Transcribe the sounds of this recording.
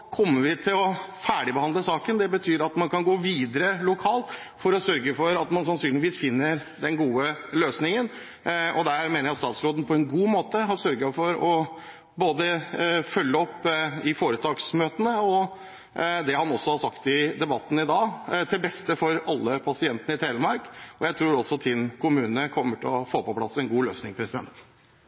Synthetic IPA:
kʰɔmːəɾʋɪt̪ʰɪlɔfæːɖɪbəhɑnd̪ləsɑːkənd̪ɛbət̪ʰyːɾɑt̪mɑnkʰɑnɡoːʋiːd̪əɾəlʊkʰɑːlt̪ | fɔɾɔsœɾɡəfɔɾɑt̪mɑnsɑnsyːnlɪʋiːsfɪnːəɾ | d̪ɛnɡuːəløːsnɪŋən | ɔd̪æɾmeːnəjæɑt̪st̪ɑːt̪sɾoːd̪ən̩pʰɔɛnɡuːmoːt̪əɦɑɾsœɾɡəfɔɾɔ | boːd̪əfœlːəɔpːɪfoːɾət̪ʰɑːɡsmøːt̪ənəɔ | d̪ɛhɑnɔsːɔhɑsɑkt̪ɪd̪ɛbɑt̪ːn̩ɪd̪ɑːt̪ʰɪlbɛst̪əfɔɾɑlːəpʰɑsɪɛnt̪ənəɪt̪ʰeːləmɑɾkɔjæɪt̪ʰɾuːɾɔsːɔt̪ʰɪnkʰʊmʉːnənəkʰɔmːəʈʰɪɔfoːpɔpʰlɑsɛnɡuːløːsnɪŋpʰɾɛsɪd̪ɛ̰nt̪

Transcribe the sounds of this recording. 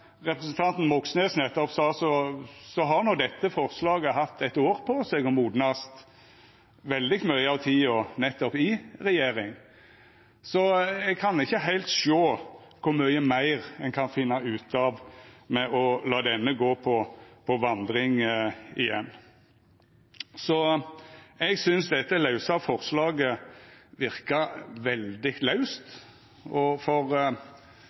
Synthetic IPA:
ʁɛpɾɛsənt̪ʰɑnt̪n̩mɔksnɛsnɛt̪ːɔpsɑːsɔsɔɦɑʁnɔd̪ɛt̪ːəfɔʁslɑːɡəɦɑt̪ʰːɛt̪oːɾpʰɔsɛɡɔmuːd̪nɑst̪ | ʋɛld̪ɪmœʏəɑʋt̪ʰiːɔnɛt̪ːɔpɪʁɛjeːɾɪŋ | sɔɛɡ̚kʰɑnɪçːəɦæɪlt̪ʃoː | kʰʊɾmœʏəmæɪʁɛnkʰɑnfɪnːɑʉːt̪ʰɑʋmɛʔɔlɑːd̪ɛnːəɡoːpʰɔpʰɔʋɑnd̪ʁɪŋɪjɛnː | sɔ | ɛɡsʏnsd̪ɛt̪ːəlɑʉsɑfɔʁslɑːɡəʋɪɾkɑʋɛld̪ɪlɑʉst̪ | ɔfɔʁ

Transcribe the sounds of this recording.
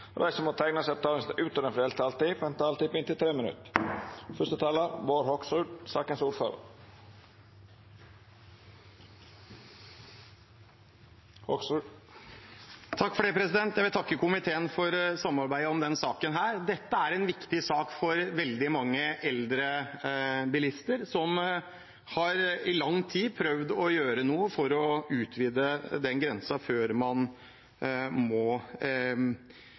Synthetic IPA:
ʋæsɔmɔt̪ʰæɪnəsɛb̚t̪ʰɑːləŋst̪ʔʉːt̪ɔɾɛnfɾɛlt̪ɑlt̪ifɛnt̪ɑːlt̪ɪpɪnt̪ɪlt̪ʰɾeːmɪnʉ̰t̪fœʂt̪ət̪ʰɑːləboːɾhɔksʉːɖsɑːkənsuːfɑ̰l | hɔ | t̪ʰɑkːfɔɖɛːpʰɾɛsɪd̪ɛnt̪jæɪʋɪlt̪ʰɑkːəkʊmɪt̪ʰeːənfɔɾsɑmːɑɾbæɪəɔmd̪ɛnsɑːkənɦæːɾd̪ɛt̪ːəæɾɛnʋɪkt̪ɪsɑːkfɔɾʋɛld̪ɪmɑŋːəʔɛld̪ɾə | bɪlɪst̪əɾsɔm | hɑɾɪlɑŋːt̪ʰiːpʰɾœʋd̪ɔjøːɾənuːəfɔɾɔʉːt̪ʰʋiːd̪əd̪ɛnɡɾɛnsɑføːɾmɑn | mɔ

